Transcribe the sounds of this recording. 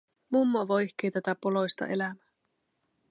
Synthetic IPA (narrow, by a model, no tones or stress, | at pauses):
mumːoʋojçk̟eːt̪æt̪æpolo̞jst̪ɑ̰ʔe̞læmæ